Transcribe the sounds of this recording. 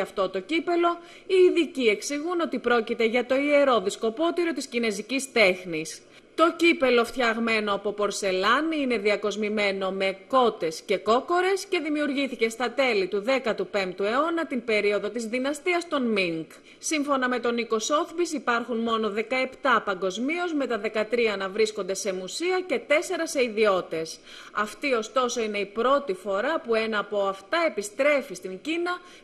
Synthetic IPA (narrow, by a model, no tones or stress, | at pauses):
ɐft̪o̞t̪o̞cipe̞lo̞ | iːðicie̞ksiɣuno̞t̪ipɾo̞cit̪e̞ʝɐt̪o̞ie̞ɾo̞ðisko̞po̞t̪iɾo̞t̪iscine̞zicist̪e̞xnis | t̪o̞cipe̞lo̞ft̪çɐɣme̞noɐpo̞po̞ɾse̞lɐniine̞ðiɐko̞zmime̞no̞me̞kko̞t̪e̞sce̞ko̞ko̞ɾe̞sce̞ðimiuɾʝiθice̞st̪ɐt̪e̞lit̪uðe̞kɐt̪upe̞mpt̪ue̞o̞nɐt̪imbe̞ɾio̞ðo̞t̪izðinɐst̪iɐst̪o̞nmiŋɡ | siɱfo̞nɐme̞t̪o̞niko̞so̞θbisipɐɾxunmo̞no̞ðe̞kɐe̞pt̪ɐpɐŋɡo̞zmio̞zme̞t̪ɐðe̞kɐt̪ɾiɐnɐvɾisko̞nd̪e̞se̞musiɐce̞t̪e̞se̞ɾɐse̞iðio̞t̪e̞s | ɐft̪io̞st̪o̞so̞ine̞ipɾo̞t̪ifo̞ɾɐpue̞nɐːpo̞ɐft̪ɐe̞pist̪ɾe̞fist̪iɲɟinɐ